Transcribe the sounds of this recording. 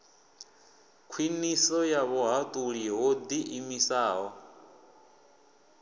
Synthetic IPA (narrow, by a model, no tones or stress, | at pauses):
kʰwinisɔjaβɔɦat̪ʼuɺiɦod̪iʔimisaːɦɔ